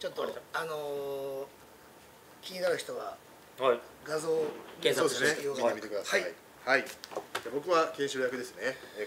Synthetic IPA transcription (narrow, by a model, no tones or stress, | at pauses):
t͡ɕo̞t̪ːoano̞ | kʲiɲ̟inaɾɯ̟çi̥t̪o̞βa | ɡazo̞ːẽsosseejoɡ̪emit̪ekɯd̪asaiai | haid͡ʑabo̞kɯ̟βakẽɕujakɯ̟d̪e̞sɨne